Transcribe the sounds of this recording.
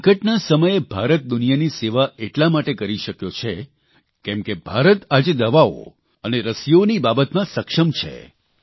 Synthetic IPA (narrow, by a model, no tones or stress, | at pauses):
kəʈnasəməjebʱaɾət̪̚d̪unijaniseʋaʔeʈlamaʈekəɾiʃəkjot͡ʃʰe | kɛ̃mkebʱaɾət̪ad͡ʒed̪əʋao̰ | əneɾəsijonibabət̪mãsəkʃəmt͡ʃʰḛ